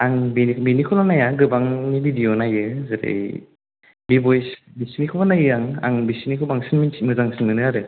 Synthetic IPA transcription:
aŋbenibenikʰulanajaɡɯbaŋnibidijonajɯzɯɾḛj | bibɔjsbisinikʰobanajaŋa̰ŋbisinikʰɯbaŋsinminmɯzaŋsinmɯnɯaɾɯ

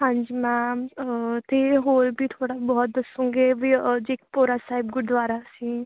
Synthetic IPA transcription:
ɦãːɲd͡ʒiːmɛ̃ː | t̪eːɦoːɾbiːt̪ʰoːɽaːbɔːt̪̚d̪əsũːŋɡeːbiːd͡ʒeːkpoːɾaːsaːɪb̚ɡʊd̪ʋaːɾaːsiː

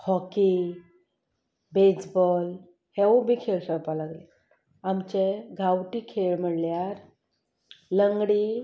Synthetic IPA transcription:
hɔki | bed͡zbɔl | hewubʱiːkʰeɭɕəɾpalaɡle | amt͡ɕeɡʱawʈiːkʰeɭm̤əɽljaɾ | ləŋɡɽi

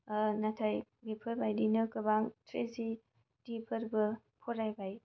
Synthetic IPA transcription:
natʰajbipʰɯɾbajdinɯkɯbaŋtʰɾezi | d̥ipʰɯɾbɯ | pʰɔɾajbaj

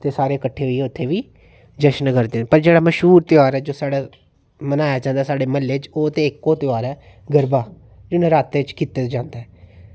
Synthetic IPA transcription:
t̪eːsaːɾeːkəʈʰːeːɦoiɛːʊt̪ʰːeːʋiː | d͡ʒəʃnkəɾd̪ẽːpəɾd͡ʒeːɽaːməʃɦuːɾt̪ɪaːɾɛːd͡ʒoːsaːɽaː | mənaːjaːd͡ʒãːnd̪aːsaːɖeːməlːeːt͡ʃoːt̪eːɪkːõːt̪ɪaːɾɛː | ɡəɾbaː | d͡ʒɪnẽːɾaːt̪ːeːt͡ʃkiːt̪eːd͡ʒãːnd̪aːɦɛː

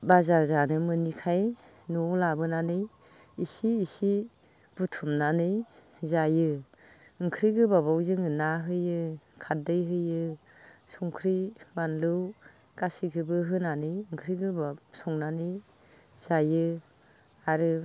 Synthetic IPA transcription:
bazaɾzanɯmɯnikʰaj | nɔlabɯnanɯj | isiːsi | b̥ɯtʰumnanɯj | zajɯ | ɯŋkʰɾiɡɯbabawzɯŋɯnaɦɯjɯkʰat̚dɯjɦɯjɯ | sɔŋkʰɾibanlɯw | kasikʰɯbɯɦɯnanɯjɯŋkʰɾiɡɯbasɔŋnanɯj | z̥ajɯ | aɾɯ

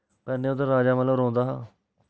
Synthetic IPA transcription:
pɛːnẽːʊd̪aɾaːd͡ʒaːmələɾõːnd̪aːɦaː

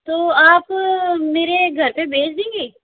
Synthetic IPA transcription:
t̪oːaːpmeːɾeɡʱɐɾpebeːt͡ʃd̪ẽːŋɡeː

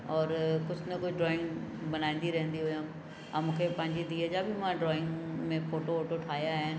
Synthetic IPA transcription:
ɔːɾkʊd͡ʑʱnɐkʊd͡ʑʱɖɾɔːɪ̃ŋɡbɐnaːĩːn̆d̪iɾɐɦə̃nd̪iɦʊjã | amũːkʰepɐ̃ɦɪ̃ɲd͡ʑid̪iːəd͡ʑabʱɪmãɖɾɔːɪ̃ŋɡmẽfoːʈooːʈoʈʰaːɦijaɦɪnɪ̆

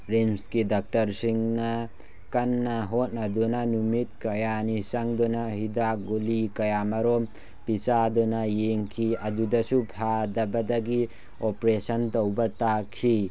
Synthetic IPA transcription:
ɾemskidak̚tɐɾsiŋna | kanːaɦot̚nadunanumit̚kɐjanisaŋdɔnaɦidaɡolikɐjamaɾɔm | pisadɔnajeŋkʰiɐdudɐsupʰadɐbɐdaɡi | opɾesɐntowbɐtakʰi

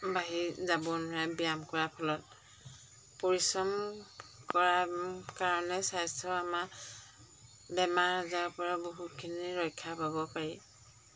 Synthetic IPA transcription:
baɦizabɔnɔɹabijamkɔɹapʰɔlɔt̚ | pɔɹisɔmkɔɹakaɹɔnɛsajstʰɔama | bɛmaɹazaɹpɔɹaboɦut̚kʰiniɹɔjkʰːapabɔpaɹi

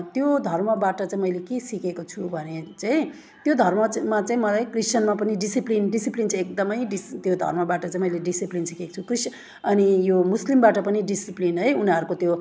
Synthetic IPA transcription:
t̪jod̪ʱʌrmʌbaʈʌt͡saĩmʌjlekesikekot͡sʰubʱʌnet͡saĩ | t̪jod̪ʱʌrmʌmat͡saĩmʌlajkrist͡ʃʌnmapʌniɖisiplinɖisiplint͡sʰãekd̪ʌmʌjɖist̪jod̪ʱʌ̰rmʌbaʈʌt͡saĩmʌjleɖisiplinsikekot͡sʰukris | ʌnijomuslimbaʈʌpʌniɖisiplinɦʌjuniʌɾukot̪jo

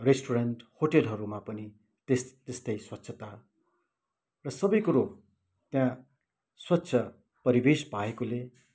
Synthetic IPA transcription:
resʈoɾʌɳʈhoʈelɦʌɾumapʌni | t̪est̪est̪ʌjswʌtːsʰʌt̪a | rʌsʌbʌjkuɾo | t̪jã | swʌtːsʰʌ | pʌɾibespaekole

